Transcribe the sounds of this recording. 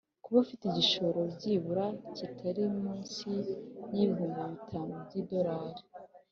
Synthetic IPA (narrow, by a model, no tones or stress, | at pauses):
kuβafiteɟiʃo̞ɾo̞bɟiːβuɾacitʰaɾimuːnsijiːβuːŋɡaβitʰamobɟido̞ɾaːɾi